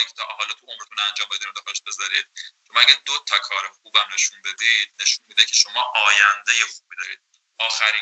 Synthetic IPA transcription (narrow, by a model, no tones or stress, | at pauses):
ikʲʰet̪ʰɒɦɒːlɒt̪ʰuomɾet̪ʰunænd͡ʒɒːmbed̪ined̪exod̪eʃ̚be̞zɒɾḭːd̪̥̚ʃomæɡʲæɾd̪ot̪ʰɒkʰɒːɾeχuːbæmne̞ʃunbe̞d̪iːd̪̥̚ne̞ʃunmiːd̪ecʰeʃo̞mɒːʔɒːjænd̪ejexuːbiːd̪ɒːɾḭːd̪̚ | ɒːxæɾi